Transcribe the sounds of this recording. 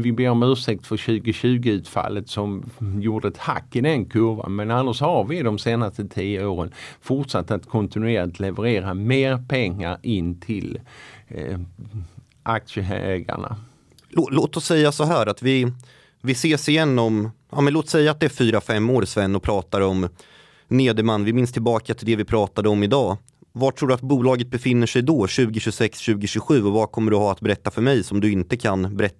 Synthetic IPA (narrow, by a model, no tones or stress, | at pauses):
vɪbeːɾɔmʉ̟ːʂɛk̚t̪fœɾɕʉ̟ːɡəɕʉ̟ːɡəʉ̟ːt̪fa̰lːət̪sɔmjuːɖəɛt̪ha̰kːɪd̪ɛnkʰɵva̰nmɛnanːaʂhaɾvɪd̪ɔmseːnast̪ət̪ʰiːəoːɾənfʊʈʂat̪ːəat̪kʰɔnt̪ɪnʉeːlɪt̪ʰlɛvəɾeːɾameːɾpʰɛŋːa̰ɾɪnːt̪ʰɪl | ʔak̚ʂəɦɛ̰ɛɡa̰ɳa̰ | loːloːt̪ɔsːɛjːasɔɦæːɾat̪vɪ | vɪseːʂɪjɛnːɔmʔɑ̰ːmɛnloːt̪sɛjːaːt̪̚d̪ɛæɾfyːɾafɛmːoːɾsvɛnːɔpʰɾɑːt̪aɾɔm | neːd̪əmanːvɪmɪnst̪ʰɪlbɑːkʰat̪ʰɪld̪ɛvɪpʰɾɑːt̪ad̪əɔmɪd̪ɑː | vaʈʰɾuːɖɵat̪buːlɑːɡət̪̚bɛfɪnːəʂɛjd̪ɔːɕʉ̟ːɡɪɕɵsɛksɕʉ̟ːɡɪɕɵɧʉ̟ːɔvakʰɔmːəɖɵhaːat̪̚bɛɾɛt̪ːafœɾmɛjsɔmd̪ɵɪnt̪əkʰanbɛɾɛt̪ː